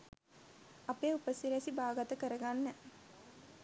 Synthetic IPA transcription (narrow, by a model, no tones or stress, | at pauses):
apeːupəsiɾæsibaːɡat̪əkəɾəɡanːɛ